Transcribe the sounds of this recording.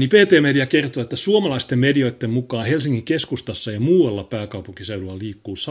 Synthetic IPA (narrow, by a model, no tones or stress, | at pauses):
nipeːt̪eːmediɑkert̪oet̪ːæsuomɑlɑist̪emmedio̞jt̪ːemmukɑːhelsiŋkiŋkeskust̪ɑsːɑjɑmuːɑlːɑpæːkɑupuŋkiseylulːɑliːkːuːsɑ